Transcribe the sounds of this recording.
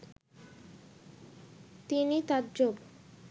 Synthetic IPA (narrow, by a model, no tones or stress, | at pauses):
t̪init̪add͡ʑob